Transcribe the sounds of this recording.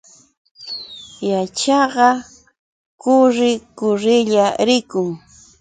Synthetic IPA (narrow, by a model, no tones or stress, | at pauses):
jat͡ʃɑɢɑ | kʊɾɪkʊɾɪʎaɾɪkʊŋ